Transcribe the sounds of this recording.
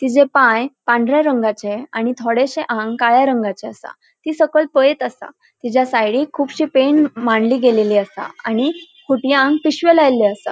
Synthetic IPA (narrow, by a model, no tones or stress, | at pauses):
t̪id͡ʑepãjpãɳɖɾjaɾəŋɡat͡ɕeaɽ̃it̪ʰoɽeɕeʔãŋɡkajaɾəŋɡat͡ɕeasa̰ | t̪iːsəkəɭpəet̪asa̰ | t̪id͡ʑjasajɽikʰuːpɕiːpeɳmaɳliːɡeleliːast̪a̰añi | kʰuʈjaŋɡpiɕʋəlajleasa̰